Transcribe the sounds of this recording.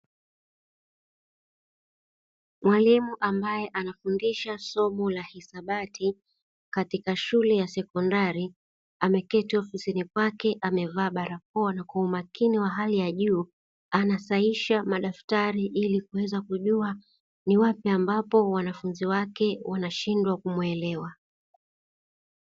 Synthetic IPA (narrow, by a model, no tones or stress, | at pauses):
mwalimuʔambajɛʔanafundiʃasɔmɔlahisaɓatʰi | katikaʃulɛjasɛkɔndaɾi | amɛkɛtiɔfisinikwakɛʔamɛvaːɓaɾak̚ɔanakwaumakiniwaɦalijaʄuː | anasaiʃamaɗaftaɾiʔilikuwɛzakuʄua | niwapiambapɔwanafunziwakɛwanaʃindwakumwɛlɛwa